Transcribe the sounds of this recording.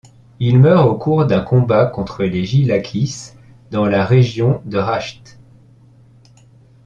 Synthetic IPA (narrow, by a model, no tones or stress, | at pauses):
ilmœʁokuʁd̪ɛ̃kɔ̃bakɔ̃t̪χəleʒilakʲʰis | d̪ɑ̃laʁeʒjɔ̃d̪əʁaʃt̪